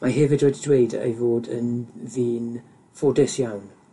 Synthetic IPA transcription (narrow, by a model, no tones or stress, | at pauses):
maɦɛvɪdoːddwejdḛjvoːdə̰nviːn | fɔdɪsjawn